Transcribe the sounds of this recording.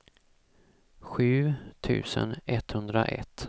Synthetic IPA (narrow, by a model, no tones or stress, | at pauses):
ɧʉ̟ːt̪ʰʉ̟ːsənɛt̪hɵnd̪ɾaʔɛ̰t̪ː